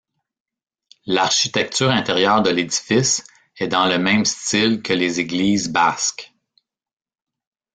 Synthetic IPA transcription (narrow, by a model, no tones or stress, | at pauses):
laʁʃit̪ɛk̚t̪syːʁɛ̃t̪eʁjœːʁd̪əledd͡zi̥fɪs | ɛd̪ɑ̃ləmɛ̃ɪ̃mst̪ɪlkʲʰəlezeɡliːzbask